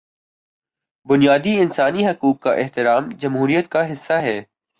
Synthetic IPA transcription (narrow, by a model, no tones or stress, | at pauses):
bʊnijaːd̪iɪnsaːniɦɐkuːkːaʔɪɦt̪ɪɾaːmd͡ʒɐmɦuːɾijət̪kaɦɪsːaɦɛː